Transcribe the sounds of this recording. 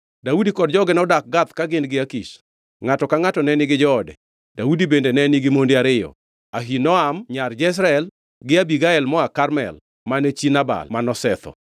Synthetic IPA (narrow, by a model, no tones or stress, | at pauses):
daudikɔdd͡ʒɔɡɛnɔdak̚ɡat̪kaɡɪnɡɪakiʃ | ŋatɔkaŋatɔnɛnɪɡɪd͡ʒɔɔdɛ̰ | daudibendenɛnɪɡɪmondiaɾɪjɔ̰ | aɦinɔamɲard͡ʒɛs̬ɾaɛl | ɡɪabiɡaɛlmɔakarmɛ̰l | manet͡ʃinaba̰lmanɔsɛt̪ɔ̰